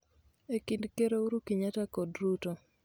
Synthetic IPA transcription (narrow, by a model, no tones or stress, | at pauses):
ekindkeɾouɾukiɲatakɔdɾuto